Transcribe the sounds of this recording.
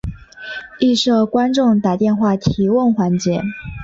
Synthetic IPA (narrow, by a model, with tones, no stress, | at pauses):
i˥˧ʂɤ˥˩kwa˥nʈ͡ʂʊ˥˩ŋt̪a˨˩t̪jɛ˥˧nxwa˥˩t̪ʰi˧˥wə˥˩nxwa˧˥nt͡ɕjɛ˧˥